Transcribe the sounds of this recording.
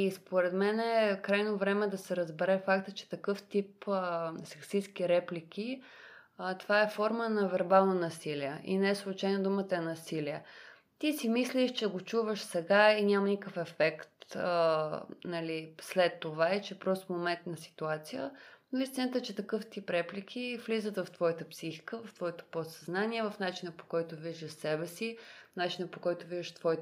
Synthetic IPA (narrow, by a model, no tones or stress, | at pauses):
ispoɾɛt̪mɛnɛkɾajnovɾɛmɛd̪ɐsɛɾəzbɛɾɛfakt̪ət͡ʃɛ̥t̪ɐkɤft̪ipəsɛksiskiɾɛplik̟ʰʲi | t̪ovaɛfɔɾmənɐvɛɾbalˠnonɐsiliɛʔḭnɛɛslˠut͡ʃajnod̪umət̪əɛnɐsiliɛ | t̪isimisliʃt͡ʃɛɡot͡ʃuvəʃsɛɡainʲamənikəfɛfɛkt̪ə | nɐlislɛt̪ːovaɛt͡ʃɛpɾɔst̪fmomɛnt̪nɐsi̥t̪uat̪sijə̰noist̪ʲinət̪ət͡ʃɛt̪ɐkɤft̪ipɾɛplikʰʲivlizət̪vɐft̪vɔjət̪əpsixi̥kəvɐft̪vɔjit̪ə̥posɐznanʲiɛvɐfnat͡ʃinəpo̥kɔjt̪oviʒd̪əʃsɛbɛsinat͡ʃinəpokɔjt̪oviʒəʃt̪vɔjt̪